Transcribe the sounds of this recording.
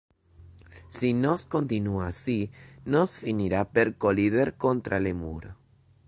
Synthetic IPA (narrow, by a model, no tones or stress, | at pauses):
sinoskont̪inuasinosfiniɾapeɾkoliðeɾkont̪ɾʔalemṵɾo